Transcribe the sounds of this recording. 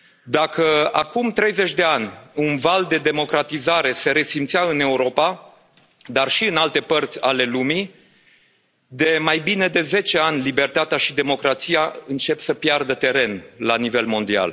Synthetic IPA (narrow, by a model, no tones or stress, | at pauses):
d̪akəakumt̪ɾe̞jze̞t͡ʃʲd̪e̞anʲunvald̪e̞d̪e̞mo̞kɾat̪izaɾe̞se̞ɾe̞simt̪siaɨne̞uɾo̞pa | d̪arʃiɨnalt̪e̞pərt̪sʲale̞lumi | d̪e̞majbine̞d̪e̞ze̞t͡ʃe̞anʲlibe̞rt̪at̪eaʃid̪e̞mo̞kɾat̪sijaɨnt͡ʃe̞psəpjard̪ət̪e̞ɾe̞nlanive̞lmo̞nd̪ia̰l